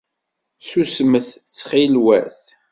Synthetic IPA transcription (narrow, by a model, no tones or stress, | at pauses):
susməθt͡sːχilwæθ